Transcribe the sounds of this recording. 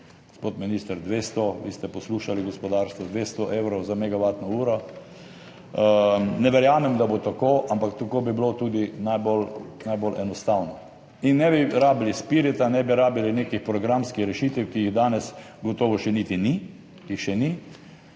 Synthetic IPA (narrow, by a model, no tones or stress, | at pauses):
ɡ̥ospot̪minist̪əɾd̪ʋest̪ɔʋḭst̪ɛpɔsluːʃaliɡɔspɔd̪aːɾst̪ʋɔd̪ʋeːst̪ɔʔewɾɔwzamɛɡaʋaːt̪nɔuːɾɔ | nɛʋɛɾjaːmɛmd̪abot̪akoʔampakt̪akoːbiblot̪uːd̪inajbolnajbolʔɛnɔst̪awnɔ | inːɛbiɾaːbilispiɾɛt̪anɛbiɾaːbilinekixpɾɔɡɾamskixɾɛʃit̪ɛwkijiɣd̪aːnɛs | ɡɔt̪oːʋɔʃɛnit̪ini | ixʃɛni